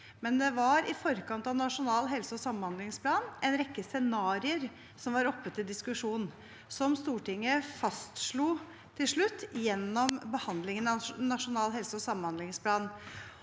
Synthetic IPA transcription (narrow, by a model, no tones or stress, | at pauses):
mɛnd̪ɛʋɑɾɪfɔɾkɑnt̪ɑʋnɑʂʊnɑːlɦɛlsəɔsɑmənhɑnd̪lɪŋspʰlɑːnʔɛnɾɛkːəsɛnɑːɾɪəɾ | sɔmʋɑɾɔpːət̪ːɪld̪ɪskʉʂuːnn̩ | sɔmst̪uːʈɪŋːəfɑst̪ʂɭuː | t̪ʰɪlʂɭʉt̪ːjɛnːɔmbəhɑnd̪lɪŋənɑnɑʂʊnɑːlɦɛlsəɔsɑmːənhɑnd̪lɪŋspʰlɑːn